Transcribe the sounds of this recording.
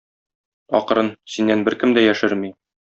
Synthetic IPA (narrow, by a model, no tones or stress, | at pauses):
ɒ̰qɾɤnsinːænbɘɾkɘmd̪æjæʃɘɾmi